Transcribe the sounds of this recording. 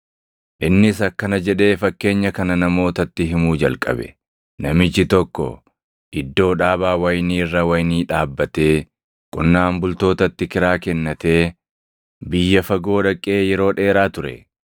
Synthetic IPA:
ʔɪnːɪsɐkːɐnɐd͡ʒɛᶑe̞ːfɐkːe̞ːɲːɐkɐnɐnɐmo̞ːt̪ɐt̪ːɪɦɪmuːd͡ʒɐlkʼɐ̰bɛ̰ | nɐmɪt͡ʃːɪt̪ɔkːɔ̰ | ʔɪd̪ːo̞ːᶑaːbaːwɐjniːrːɐwɐjniːᶑaːbːɐt̪e̞ː | kʼʊnːaːmbʊlt̪o̞ːt̪ɐt̪ːɪkɪɾaːkɛnːɐt̪e̞ː | bɪjːɐfɐɡo̞ːᶑɐkʼːe̞ːjɛɾo̞ːᶑe̞ːɾaːt̪ʊɾɛ̰

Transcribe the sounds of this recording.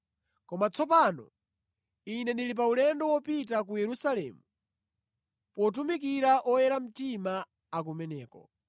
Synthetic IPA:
kɔmat͡sʰɔpanɔ̰ | inɛndilip̬aulɛndɔwɔpit̬ak̬ujɛɾusalɛ̰ːmu | pɔt̬umikiɾaʔɔjɛɾam̩tima | ak̬umɛnɛːkɔ̰

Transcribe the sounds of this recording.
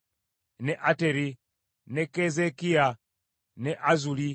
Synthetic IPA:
nɛʔatɛɾi | nɛkɛzɛkia | nɛʔazuli

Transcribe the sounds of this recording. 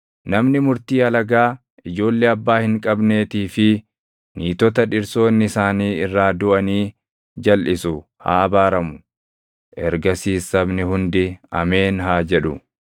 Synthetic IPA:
nɐmnɪmʊɾt̪iːɐlɐɡaː | ɪd͡ʒo̞ːlːeɐbːaːhɪŋkʼɐbne̞ːt̪iːfɪ | niːt̪ɔt̪ɐᶑɪɾso̞ːnːɪɪsaːniːɪrːaːd̪ʊʔɐniː | d͡ʒɐlʔɪsʊ | ha̰ːɐbaːɾɐmʊ̥ | ʔɛ̰ɾɡɐsiːsːɐbnɪhʊnd̪ɪɐ̰me̞ːnɦaːd͡ʒɛᶑʊ̰

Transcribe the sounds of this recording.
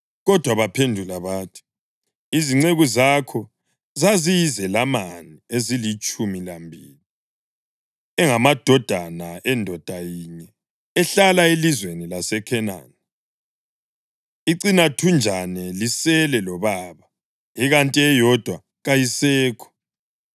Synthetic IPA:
ɣɔd̥ʱwaβapʰendʱulaβaːtʰi̥ | iziŋ͡ǀeɣuzakʰɔ | zazizɛlamaniezilit͡ʃʼumilambʱḭːli | ɛŋamad̥ʱɔd̥ʱanaɛndʱɔd̥ʱajiɲɛ | ɛɬalaelizwenilasɛkʰɛna̰ːnɛ | iǀinatʰund͡ʒʱanɛlisɛlɛlɔβaːβa | jɛɣantʼɛjɔd̥ʱwa | ɣajisɛːkʰɔ̥

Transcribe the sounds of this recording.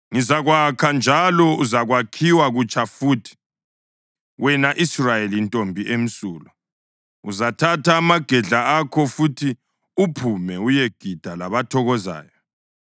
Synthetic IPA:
ŋizaɣwakʰand͡ʒʱalɔuzaɣwakʰiwaɣut͡ʃʼafuːtʰi̥ | wɛnaʔisrajelintʼombʱiʔem̩suːlɔ | uzatʰatʰaːmaɡ̥ʱɛɮaakʰɔfutʰi | upʰumɛujeɡ̥ʱid̥ʱalaβatʰɔɣɔza̰ːjɔ

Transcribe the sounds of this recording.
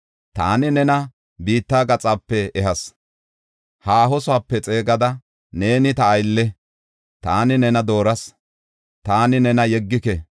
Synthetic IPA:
t̪a̰ːnɪnɛnɐ | biːt̪ːaːɡɐt͡sʼaːpːɛɛɦɐs | haːɦɔsʊapːɛt͡sʼe̞ːɡɐd̪ɐ | ne̞ːnɪt̪ɐːjlːɛ | t̪aːnɪnɛnɐd̪o̞ːɾɐs | t̪aːnɪnɛnɐjɛɡːɪkɛ

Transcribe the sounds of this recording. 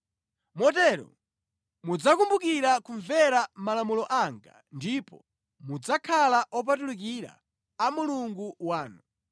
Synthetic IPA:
mɔt̬ɛɾɔ̰ | mud͡zakumbukiɾakuɱvɛɾamalamulɔʔaŋɡa̰ | ndipɔ | mud͡zakʰalaʔɔp̬at̬uluk̬iɾa̰ː | muluŋɡuwaːnu

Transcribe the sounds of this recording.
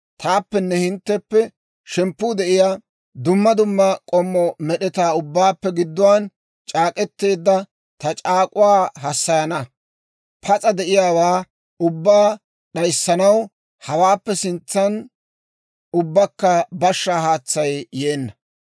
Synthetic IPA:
t̪aːpːɛnːɛhɪnt̪ːɛpːɛ | ʃɛmpːuːd̪ɛʔɪja | d̪ʊmːɐd̪ʊmːɐkʼɔmːɔmɛɗɛt̪aːʊbːaːpːɛɡɪd̪ːʊwaːn | t͡ʃʼaːkʼɛt̪ːe̞ːd̪ːɐ | t̪ɐt͡ʃʼaːkʼʊwaːɦɐsːɐjɐnɐ | pʰɐt͡sʼɐd̪ɛʔɪjaːwaː | ʊbːaː | ɗɐjsːɐnɐw | hɐwaːpːɛsɪnt͡sːɐn | ʊbːɐkːɐbɐʃːaːhaːt͡sːɐjːe̞ːnːɐ

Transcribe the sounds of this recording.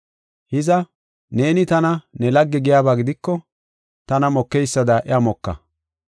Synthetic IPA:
hɪzɐ | ne̞ːnɪt̪ɐnɐnɛlɐɡːɛɡɪjaːbaːɡɪd̪ɪkːɔ | t̪ɐnɐmɔkːɛjsːɐd̪ɐʔɛamɔkːɐ̰

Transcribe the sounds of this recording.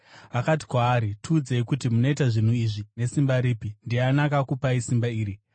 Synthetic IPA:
akati̥kwaːɾituːd͡zeikutimuno̞itaʐin̤uiʐine̞simbaɾiːpindianakakupaisimbaiːɾi

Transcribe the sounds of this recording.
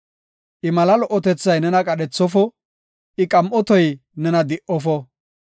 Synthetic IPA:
ʔɪmɐlɐlɔʔɔt̪ɛt͡sːɐjnɛnɐkʼɐɗɛt͡sːɔfɔ | ʔɪkʼɐmʔɔt̪ɔjnɛnɐd̪ɪʔɔfɔ

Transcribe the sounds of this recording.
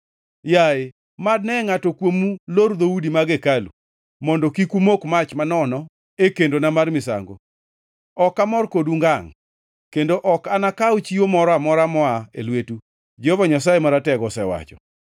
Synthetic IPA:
jae | mad̚nɛŋatɔkwomulord̪oudimaɡekalṵ | mɔndɔkikumokmat͡ʃmanɔnɔ | ekendonamarmɪsa̰ŋɡo̰ | ɔkamɔrkoduŋɡaŋ | kendoʔɔkanakawt͡ʃiomɔɾɔamɔɾamɔaḛlwetu | d͡ʒɛɔvɔɲas̬ajemaɾatɛɡɔsɛwa̰t͡ʃɔ̰

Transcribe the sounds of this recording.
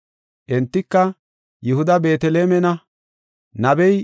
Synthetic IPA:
ʔɛnt̪ːɪkːɐ | jʊhʊd̪ɐbeːt̪ɛleːmɛnɐ | nɐbɛj

